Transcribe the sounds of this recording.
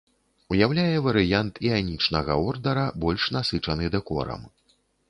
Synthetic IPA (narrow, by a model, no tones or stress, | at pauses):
ujawlʲajɛvɐɾɨjant̪ʰianʲit͡ʂnɐɣɐ̰ɔrd̪ɐɾɐbɔlʲʂnasɨt͡ʂɐnɨd̪ɛkɔ̰ɾɐ̰m